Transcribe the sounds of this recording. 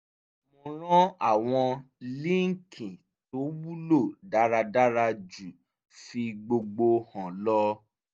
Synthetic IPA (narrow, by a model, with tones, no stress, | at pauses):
mɔ̃˧ɾ̃ɔ̃˦a˦˨w̃ɔ̃˧ | li˦ŋ̩˦˨kʰĩ˨ | to˨˦wu˦lo˦˨da˨˦ɾa˧da˦ɾa˧d͡ʒu˨ | fi˧ɡ͡bo˧ɡ͡bo˧hɔ̃˨lɔ˦